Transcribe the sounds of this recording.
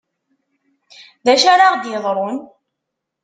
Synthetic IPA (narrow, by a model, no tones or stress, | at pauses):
ðæʃaɾaʁd̪jeðˤɾˤon